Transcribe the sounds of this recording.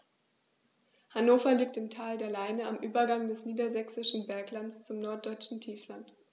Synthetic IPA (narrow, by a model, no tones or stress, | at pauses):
hanoːfɐliːk̚tɪmtʰaːldeːɐlaɪnəamʔyːbɐɡaŋdɛsniːdɐzɛksɪʃn̩bɛɐklant͡st͡sʊmnɔɐt̚d̥ɔʏt͡ʃn̩tʰiːflant